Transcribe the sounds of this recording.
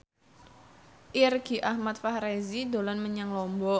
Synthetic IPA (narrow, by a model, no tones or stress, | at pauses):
ʔirɡiʔahmat̪̚fahɾezid̪olɔnməɲaŋlɔmbɔ